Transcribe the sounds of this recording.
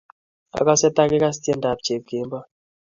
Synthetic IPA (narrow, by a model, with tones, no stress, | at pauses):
a̰˨ka˦sɛ˦ta˦kɛ˦ka˦s̬i̥˦ti˦ɛ˦nda˨b̚d͡ʒ̥e˨b̚ɡ̥e˨˦mba˦